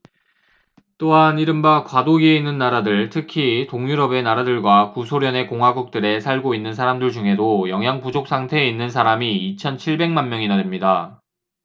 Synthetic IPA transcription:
t͈oɦaniɾɯmbakwadoɡie̞inːɯnːaɾadɯɭtʰɯkʰitoŋjuɾʌbe̞naɾadɯɭɡwakusʰoɾjʌne̞koŋwaɡuk̚t͈ɯɾe̞sʰaɭɡoinːɯnsʰaɾamdɯɭd͡ʑuŋɦe̞dojʌŋjaŋpud͡ʑok̚s͈ʰaŋtʰe̞ːinːɯnsʰaɾamiːt͡ɕʰʌnt͡ɕʰiɭbe̞ŋmanmjʌŋinadɯmɲida

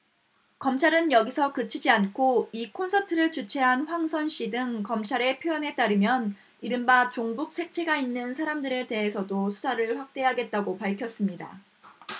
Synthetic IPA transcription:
kʌmt͡ɕʰaɾɯnjʌɡisʰʌkɯt͡ɕʰid͡ʑiankʰoikʰonsʰʌtʰɯɾɯɭt͡ɕut͡ɕʰe̞ɦanɸwaŋsʰʌnɕ͈idɯŋkʌmt͡ɕʰaɾe̞pʰjojʌne̞t͈aɾɯmjʌn | iɾɯmbat͡ɕoŋbuk̚s͈ʰe̞k̚t͡ɕʰe̞ɡainːɯnsʰaɾamdɯɾe̞te̞ɦe̞sʰʌdosʰu̥sʰaɾɯɭɸwak̚t͈e̞ɦaɡe̞t̚t͈aɡopaɭkʰjʌs͈ɯmɲida̰

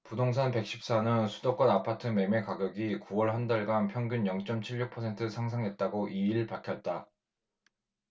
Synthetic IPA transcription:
pudoŋsʰanpe̞k̚ɕ͈ʰip̚s͈anɯnsʰudok͈ʌnapʰatʰɯme̞me̞kaɡjʌɡikuwʌɭɦandaɭɡanpʰjʌŋɡunjʌŋt͡ɕ͈ʌmt͡ɕʰiɭːuk̚pʰʌsʰe̞ntʰɯsʰaŋsʰaŋɦe̞t̚t͈aɡoʔiiɭpaɭkʰjʌt̚t͈a

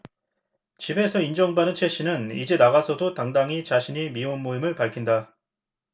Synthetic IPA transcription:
t͡ɕibe̞sʰʌind͡ʑʌŋbanɯnt͡ɕʰe̞ɕ͈inɯnid͡ʑe̞naɣasʰʌdotaŋdaŋit͡ɕaɕʰiɲimionmoimɯɭpaɭkʰinda

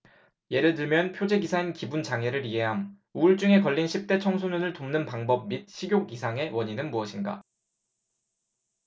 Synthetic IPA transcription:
je̞ɾɯɭt̬ɯɭmjʌnpʰjod͡ʑe̞ɡisʰainkibunt͡ɕaŋe̞ɾɯɾiɦe̞ɦam | uɭt͡ɕ͈uŋe̞kʌʎːinɕʰip̚t͈e̞t͡ɕʰʌŋsʰununɯɭtomnɯnpaŋbʌb̚mit̚ɕʰiɡʲjoɡisʰaŋe̞wʌɲinɯnmuʌɕʰinɡa̰

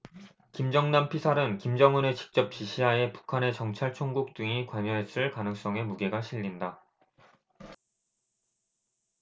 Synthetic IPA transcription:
kimd͡ʑʌŋnampʰisʰaɾɯnkimd͡ʑʌŋune̞t͡ɕi̥k̚t͡ɕ͈ʌp̚t͡ɕiɕʰiɦae̞pu̥kʰane̞t͡ɕʌŋt͡ɕʰaɭt͡ɕʰoŋɡuk̚t͈ɯŋikwaɲʌɦes͈ɯɭkanɯŋs͈ʌŋe̞muɡe̞ɡaɕʰiʎːinda

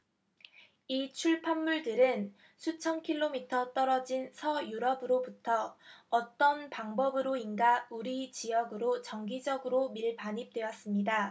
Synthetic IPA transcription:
it͡ɕʰuɭpʰanːuɭdɯɾɯn | sʰut͡ɕʰʌnkʰiɭːomitʰʌt͈ʌɾʌd͡ʑinsʰʌjuɾʌbɯɾobutʰʌːt͈ʌnpaŋbʌbɯɾoinɡauɾit͡ɕijʌɡɯɾot͡ɕʌŋɡid͡ʑʌɡɯɾomiɭpaɲip̚t͈we̞ʌs͈ɯmɲida

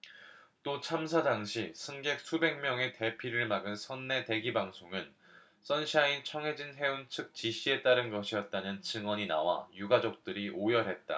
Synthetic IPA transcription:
t͈ot͡ɕʰamsʰadaŋɕʰisʰɯŋɡe̞k̚sʰube̞ŋmjʌŋe̞te̞pʰiɾɯɭmaɡɯnsʰʌnːe̞te̞ɡibaŋsʰoŋɯn | s͈ʌnɕʰiaint͡ɕʰʌŋɦe̞d͡ʑinɦe̞unt͡ɕʰɯk̚t͡ɕiɕʰie̞t͈aɾɯnɡʌɕʰijʌt̚t͈anɯnt͡ɕɯŋwʌɲina̰wa̰juɡad͡ʑʌk̚t͈ɯɾiʔojʌɦe̞t̚t͈a̰

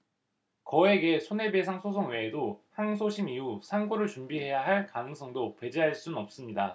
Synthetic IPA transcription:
kʌe̞ɡe̞sʰone̞be̞sʰaŋsʰos̬ʰoŋwe̞ːdohaŋsʰoɕʰimiusʰaŋɡuɾɯɭt͡ɕumbiɦe̞jaɦaɭkanɯŋs͈ʰʌŋdope̞d͡ʑiɦaɭs͈unnʌp̚s͈ɯmɲida

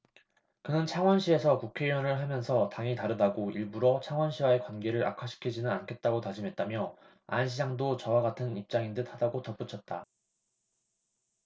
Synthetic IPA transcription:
kɯnɯnt͡ɕʰaŋwʌnɕʰie̞sʰʌkukʰe̞iʌnɯɭɦamjʌnsʰʌtaŋitaɾɯdaɡoiɭbuɾʌt͡ɕʰaŋwʌnɕʰiwae̞kwanɡe̞ɾɯɾa̰kʰaɕʰi̥kʰid͡ʑinɯnankʰe̞t̚t͈aɡotad͡ʑimɦe̞t̚t͈amjʌ | a̰nɕʰid͡ʑaŋdot͡ɕʌwaɡatʰɯnip̚t͡ɕ͈aŋindɯthadaɡotʌp͈ut͡ɕʰʌt̚t͈a

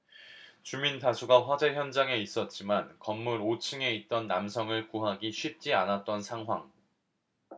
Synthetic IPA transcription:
t͡ɕumintasʰuɡaɸwad͡ʑe̞çjʌnd͡ʑaŋe̞is͈ʌt̚t͡ɕ͈imankʌmːuɾot͡ɕʰɯŋe̞it̚t͈ʌnːamsʰʌŋɯɭkuɦaɡiɕʰwɥip̚t͡ɕ͈ianat̚t͈ʌnsʰaŋɦwaŋ

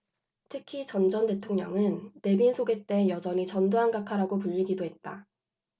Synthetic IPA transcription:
tʰɯkʰit͡ɕʌnd͡ʑʌnte̞tʰoŋɲʌŋɯnːe̞binsʰoɡe̞t͈e̞jʌd͡ʑʌɲit͡ɕʌndoɦanɡakʰaɾaɡopuʎːiɡidoɦe̞t̚t͈a

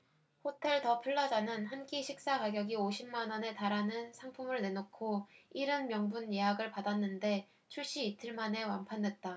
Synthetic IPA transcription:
hotʰe̞ɭtʌpʰɯɭːʌd͡ʑanɯnhank͈iɕʰik̚s͈akaɡjʌɡioɕʰimːanʌne̞taɾanɯnsʰaŋpʰumɯɭne̞nokʰoiɾɯnmjʌŋbunjeɦaɡɯɭpadanːɯnde̞ | t͡ɕʰuɭɕ͈iːtʰɯɭmane̞wanpʰande̞t̚t͈a

